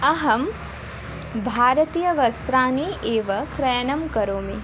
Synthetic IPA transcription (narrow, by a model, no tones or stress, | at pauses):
ɐɦɐm | bʱaːɾɐt̪iːjɐʋɐst̪ɾaːniʔeːʋɐkɾɐjɐnɐmkɐɾoːmi